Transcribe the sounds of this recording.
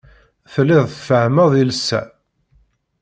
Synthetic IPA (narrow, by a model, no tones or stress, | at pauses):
θlːɪðˤθfəhməðˤilsːæ̰